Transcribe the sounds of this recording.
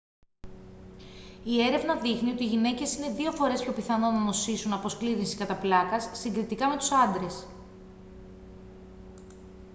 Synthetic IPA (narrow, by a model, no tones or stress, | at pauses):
ie̞ɾe̞vnɐðixnio̞t̪iʝine̞ce̞sine̞ðio̞fo̞ɾe̞spço̞piθɐno̞nɐno̞sisunɐpo̞skliɾinsiskɐt̪ɐplɐkɐsːiŋɡɾit̪ikɐme̞t̪u̥sɐnd̪ɾe̞s